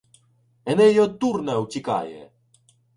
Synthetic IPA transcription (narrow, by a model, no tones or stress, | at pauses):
ɛnɛjɔt̪urnɛwtʲika̰jɛ̰